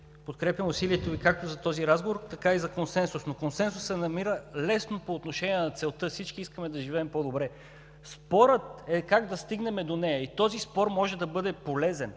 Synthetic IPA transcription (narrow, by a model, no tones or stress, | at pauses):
pot̪̚kɾɛpʲjɐmʊsiliɛt̪ovikak̚t̪ozɐt̪ɔziɾazɡovoɾt̪ɐkaizɐkonsɛnsʊsnokonsɛns̬ʊsːɛnɐmiɾəlɛsnopoːt̪noʃɛniɛnɐt̪sɛlˠt̪ɤfsit͡ʃkiiskəmɛd̪ɐʒivɛːmpod̪obɾɛ | spɔɾət̪ɛkaɡd̪ɐst̪iɡnɛmɛd̪onɛjɐit̪ɔzispɔɾmɔʒɛd̪ɐbɤd̪ɛpolɛzɛn